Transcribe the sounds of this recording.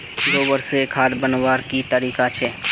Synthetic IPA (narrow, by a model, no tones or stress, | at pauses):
d̪oːbəɾsekʰaːd̪bənwaːɾkit̪əɾiːkat͡ʃʰɛː